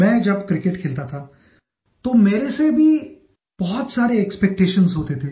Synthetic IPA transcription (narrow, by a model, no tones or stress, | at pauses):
mɛ̃ːd͡ʒɐbkɾɪkeʈkʰeːlt̪at̪ʰa | t̪omeːɾesebʱi | b̥ɔɦʊt̪saːɾeɛkspɛk̚ʈeːʃənzɦoːt̪et̪ʰeː